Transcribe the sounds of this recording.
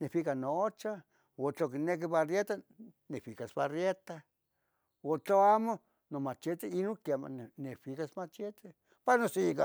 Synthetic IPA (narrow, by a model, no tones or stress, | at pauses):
nefikanot͡ʃa | ot͡ɬok̬inek̬iβarjet̪a | nefikasβarjet̪a | ot͡ɬoamo | nomat͡ʃet̪iinokama̰nnefikasmat͡ʃet̪e | paɾnosika